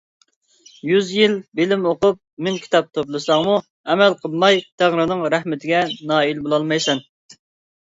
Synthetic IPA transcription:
jyzjilbɪlɪmoqʊp̚mɪnkʲʰi̥t̪ʰɑp̚t̪ʰoplˠɨsɑŋmu | ɛmɛlqʰəlˠmɑjt̪ʰæʁɾɨnɨŋɾæhmɪt̪ʰɪɡʲɛnɑːilbolˠɑlˠmɑjsɛn

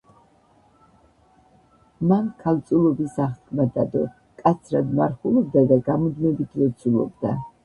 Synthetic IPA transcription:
mankʰalt̪sʼulˠɔbisaχt̪kʰʼmad̪ad̪ɔ | kʼat̪sʰɾad̪maɾχulˠɔb̚d̪ad̪aɡamɔd̪mɛbit̪ʰvɛt̪sʰulˠɔ̰bd̪a

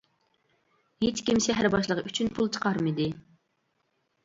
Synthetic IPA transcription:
het͡ʃkʲimʃɛɦæɾbɑʃlˠəʁyt͡ʃʰynpʰulˠt͡ʃʰə̥qʰɑɾmɨd̪ɨ

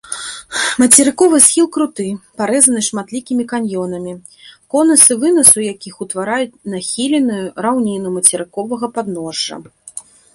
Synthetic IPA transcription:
mɐt͡sʲɛɾɨkɔvɨsxʲilˠkɾut̪ɨpaɾɛzɐnɨʂmat̪lʲikʲimʲikanʲjɔnɐmʲi | kɔnɐsɨvɨnɐsujakʲixut̪vaɾajut͡sʲnaxʲilʲɛnɨjuɾawnʲinumɐt͡sʲɛɾɨkɔvɐɣɐpad̪̚nɔʐːɐ̰

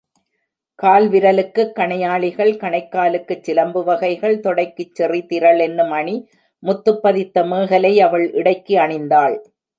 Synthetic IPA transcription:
kaːlʋɪɾɐlɯkːɯkːɐɳɐjaːɭɪɣɐɭkɐɳɐɪkːaːlɯkːɯt͡ʃːɪlɐmbɯʋɐɣɐɪɣɐɭt̪ɔɽɐɪkːɯt͡ʃːɛrit̪ɪɾɐɭɛnːɯmɐɳi | mʊt̪ːɯpːɐðɪt̪ːɐmeːɣɐlɐɪɐʋɐɭʔɪɽɐɪkːiɐɳɐɪnd̪aːɭ

